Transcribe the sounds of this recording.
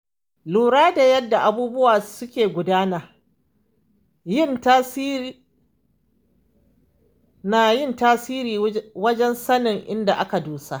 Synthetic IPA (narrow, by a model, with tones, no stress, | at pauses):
luː˨ɾaː˦da˨jɐ˦dːa˨ʔa˨buː˦bʊ˦waː˨sʊ˦kʲeː˨ɡʷʊ˨daː˦naː˨ | jɪ˦nta˦ | naː˨jɪ˦ntaː˦siː˦ɾiː˨wɐ˦d͡ʒɛ˦nsɐ˦nɪ˨ŋʔɪ˦nda˨ʔa˦ka˨duː˦sa˦ʔ